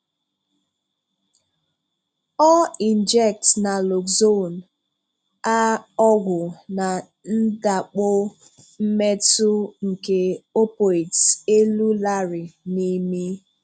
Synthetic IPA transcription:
ɔ˦i˨nd͡ʒɛ˦k̚tna˨lɔ˨kzo˦˨n | a˦ɔ˦ɡʷʊ˨na˨ | n̩˦da˨k͡pʊ˦ | m̩˦me˦tʊ˦ŋ̩˨ke˨o˦po˨i˨te˦lu˦la˦ɾɪ˨ni˦mi˦

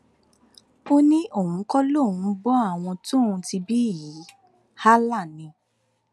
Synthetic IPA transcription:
o˦nĩ˦ʔo˦˨hũ˨˦kɔ˦lo˦˨ũ˧˦bɔ˦a˦˨w̃ɔ̃˧tũ˦˨ũ˧ti˧bi˦˨i˨˦ | ha˦la˦˨nĩ˧

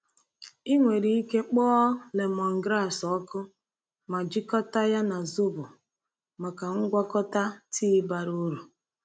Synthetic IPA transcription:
i˦ŋʷe˨ɾi˨i˦ke˦k͡pɔː˦le˨mɔ˨ŋ̩˨ɡɾa˦˨sɔ˦kʊ˦ | ma˨d͡ʒi˦kɔ˦ta˦ja˦na˨zʊ˦bʊ˨ | ma˨ka˨ŋ̩˦ɡʷa˦kɔ˦ta˦tʰi˦ba˨ɾu˦ɾu˨

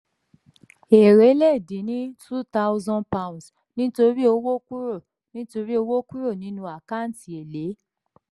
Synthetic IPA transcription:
e˨ɾe˨˦lɛ˦˨dĩ˨˦nĩ˦tu˦ta˦wzɔ̃˦npa˧ũ˨ns | nĩ˦to˧ɾi˦o˧wo˦ku˦ɾo˦˨ | nĩ˦to˧ɾi˦o˧wo˦ku˦ɾo˦˨nĩ˨˦nũ˧a˨ka˦˨n̩˨ti˨e˨le˨˦

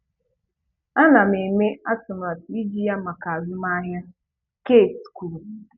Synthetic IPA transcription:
a˦na˨m̩˨e˨me˦a˦tʊ˨ma˨ti˦d͡ʒi˦ja˦ma˨ka˨a˨zʊ˦m˦a˦ɦja˦ | ke˦˨tsku˨l

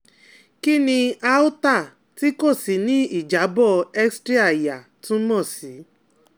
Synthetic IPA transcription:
ki˦nĩ˧a˦u˦ta˦˨ | ti˦ko˦˨si˨˦nĩ˦i˦˨d͡ʒa˨˦bɔ˦ɛ˦kstɾi˦a˦˨ja˨tũ˦mɔ̃˦˨si˨˦

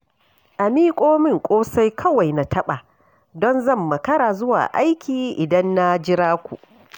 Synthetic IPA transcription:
ʔa˨miː˦kʷʼoː˦mɪ˦˨ŋkʷʼoː˦sa˦jkʰɐ˦wa˨jna˨tʰɐ˦ɓa˨ | dɔ˦nzɐ˦˨mːɐ˨kɐ˦ɾaː˨zʊ˦wa̰ː˨ʔa˦jkʲiː˨ʔɪ˨dɐ˦nːa˦d͡ʒɪ˦ɾaː˦kʷu˨ʔ

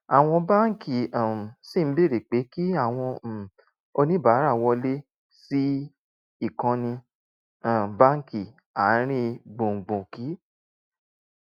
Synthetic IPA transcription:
a˨w̃ɔ̃˧ba˦ŋ˦ki˦˨ã˨si˦˨m̩˦be˦˨ɾe˨k͡pe˨˦ki˦a˦˨w̃ɔ̃˧˨ | o˧nĩ˦ba˨˦ɾa˦˨wɔ˧le˦ | si˦ | i˦˨kã˧nĩ˧ | ã˨ba˦ŋ˦ki˨ | a˨˦ɾ̃ĩ˦ɡ͡bõ˨ŋ̩˨ɡ͡bõ˨ki˨˦

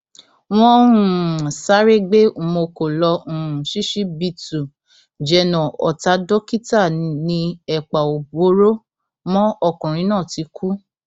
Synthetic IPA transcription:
w̃ɔ̃˦ũũ˨sa˦ɾe˦ɡ͡be˦u˨mo˧ko˨lɔ̃˧˨ũ˨ʃi˦ʃi˦bi˧tu˨ | d͡ʒɛ˧nɔ̃˨ɔ̰˨ta˨˦dɔ˦ki˦ta˦˨nĩ˧ɛ˨k͡pa˨o˨bo˨˦ɾo˦ | mɔ̃˦ɔ˧˨kũ˨ɾ̃ĩ˧˦nãː˦˨ti˨˧˦kʰu˦

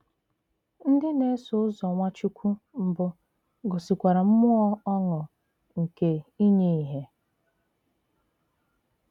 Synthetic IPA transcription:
n̩˦dɪ˦ne˦sʊ˨ʊ˦zɔ˨ŋʷa˦t͡ʃu˦kʷu˦m̩˦bʊ˦ | ɡɔ˨si˨kʷa˨ɾa˨m̩˦mʊ˦ɔ˦ɔ˦ŋʊ˨ | ŋ̩˨ke˨i˦ɲe˦i˨ɦe˦

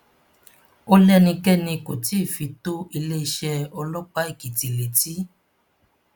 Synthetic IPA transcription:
o˦lɛ˦nĩ˧kɛ˦nĩ˧ko˨ti˨˦˨fi˨˧to˦i˧le˦i˧ʃɛ˧ɔ˧lɔ˦k͡pa˦i˦˨ki˨ti˨le˨ti˦

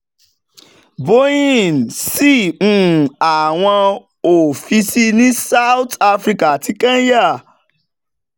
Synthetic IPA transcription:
bo˦ĩ˦˨nsĩ˦˨˦a˨w̃ɔ̃˧ | o˨fi˧si˦nĩ˦sa˦u˦ta˦fɾi˦ka˨a˨ti˦kã˦ja˦˨

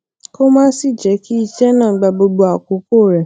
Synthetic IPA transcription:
ko˦mãː˦si˦˨d͡ʒɛ˨˦ki˦i˧ʃɛ˦nãː˦˨˦ɡ͡ba˧bo˧ɡ͡bo˧a˨ko˨˦ko˦˨ɾɛ˨

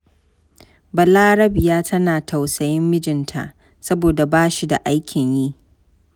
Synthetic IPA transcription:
bɐ˨laː˦ɾɐ˦bɪ˨jaː˦tʰɐ˦naː˨tʰa˨wsɐ˨jɪ˦mːɪ˦d͡ʒɪ˨ntʰa̰˨ʔ | sɐ˦boː˨da˨baː˦ʃi˦da˨ʔa˦jkʲʰɪ˨ɲjiː˦ʔ

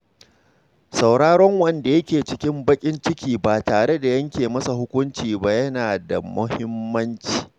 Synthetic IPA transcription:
sa˨wɽaː˦ɽɔ˦ŋwɐ˦˨nda˨jɐ˦kʲeː˨t͡ʃɪ˦kʲɪ˦mbɐ˦kʲʼɪ˦nt͡ʃɪ˦kʲiː˨baː˨taː˨ɽe˦da˨jɐ˦ŋkʲeː˨mɐ˦sa˨ɦʊ˦kʷʊ˦nt͡ʃiː˨ba˦jɐ˦naː˨da̰˨mʊ̰˦hɪ˦mːɐ˦nt͡ʃi̥ː˨

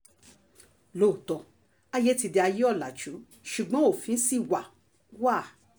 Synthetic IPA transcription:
lo˦˨tɔ˨˧ | a˧je˦ti˧di˧a˧ji˦ɔ˦˨la˨d͡ʒũ˨˦ | ʃu˨ɡ͡bɔ̃˦o˦˨fĩ˨˧n̩˦si˦˨wa˨ | waː˦˨

